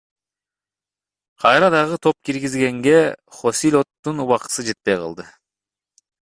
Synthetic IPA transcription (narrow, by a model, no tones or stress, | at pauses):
qʰɑjɾɑd̪ɑʁɯt̪ʰo̞p̚kiɾɡizɡe̞ŋɡe̞χo̞silʲo̞t̪ːunuwɑqt̪ɯ̥sɯd͡ʒe̞t̪̚pe̞jqʰɑ̰lˠd̪ɯ